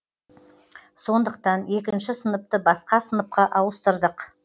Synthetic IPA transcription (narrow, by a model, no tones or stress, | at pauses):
so̞nd̪əq̚t̪ɑne̞kʲɪnʃɪsənəp̚t̪əbɑsqɑsənəp̚qɑʔɑwəst̪əɾd̪əq